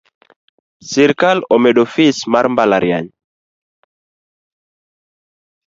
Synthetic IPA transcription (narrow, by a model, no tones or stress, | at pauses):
siɾkalɔmɛɗofismaɾmbalaɾja̰ɲ